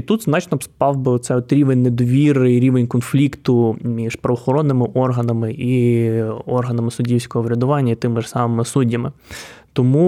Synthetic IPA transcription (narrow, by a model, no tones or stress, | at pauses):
it̪ut̪znɑt͡ʃnɔpspɑwbɪɔt̪sɛɔt̪ɾʲiʋenʲned̪ɔʋʲiɾɪɾʲiʋenʲkɔnflʲikt̪ʊmʲiʃpɾɐʋɔxɔɾɔnːɪmɪʔɔrɦɐnɐmɪʔi | ɔrɦɐnɐmɪsʊdʲiwsʲkɔɦɔʋɾʲɐd̪ʊʋɑnʲːɐit̪ɪmɪʒsɑmɪmɪsudʲːɐmɪt̪ɔmu